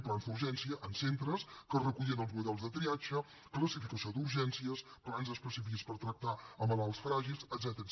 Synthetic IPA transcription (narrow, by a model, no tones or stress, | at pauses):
planzuɾʒɛnsiəʔənsent̪ɾəskərəkuʎənəlˠzmuðɛlˠzðət̪ɾiad͡ʒə | kləsifikəsiod̪uɾʒɛnsiəsplanzəspəsifikispəɾt̪ɾək̚t̪aəməlalˠsfɾaʒilˠsəd̪zɛt̪əɾ